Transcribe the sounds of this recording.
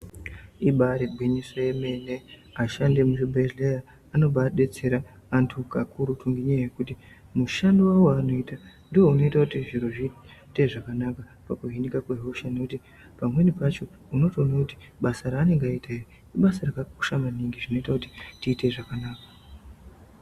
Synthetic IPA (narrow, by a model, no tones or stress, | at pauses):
iɓaɾebʱwiɲisojeme̞ne̞ | aʃande̞muʃebʱeʒleja | ano̞ɓaɗe̞t͡se̞ɾaː | ntʰukakʰuɾutuŋɡiɲajaje̞kuti | muʃandiwawaːno̞ita | ndiwo̞uno̞itakutiʐiɾo̞ʐite̞ʐakanaka | pakuɦinikakweɦoʃanekuti | pamwe̞nipat͡ʃo̞ | uno̞tonakuti̥ | ɓasaɾaːne̞ŋɡaitairi | iɓasarakaku̥ʃamaniŋɡiʐino̞itakuti̥tiːte̞ʐakanaːkḁ